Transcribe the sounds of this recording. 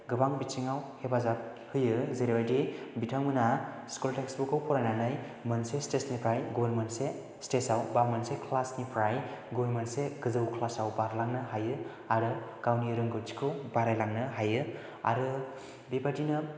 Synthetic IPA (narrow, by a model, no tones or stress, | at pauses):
ɡɯbaŋbit͡ʃiŋawhebazap̚ | hɯjɯzeɾebajdibitʰaŋmɯna | skulteksbukawpɔɾananɯj | mɯnsestesnikʰajɡulmɯnse | stesawbamɯnsekʰlasnipʰɾajɡulmanseɡɯzɯwkʰlasawbaɾlaŋnɯɦajɯ | aɾɯɡ̥awniɯɾɯŋɡɯɾd͡ʒi̥kʰɯwbaɾajlaŋnɯɦajɯ | a̰ɾɯ | bibadinɯ